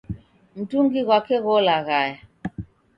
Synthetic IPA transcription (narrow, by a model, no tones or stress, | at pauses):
n̩tuŋɡiɣwakɛɣɔlaɣaja